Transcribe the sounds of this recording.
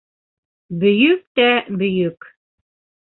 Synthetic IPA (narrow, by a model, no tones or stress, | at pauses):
bɵ̆jɵk̚t̪æbɵ̆jɵk